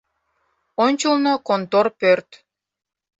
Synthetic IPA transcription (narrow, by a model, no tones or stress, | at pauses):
onʲt͡ɕəlnokont̪orpørt̪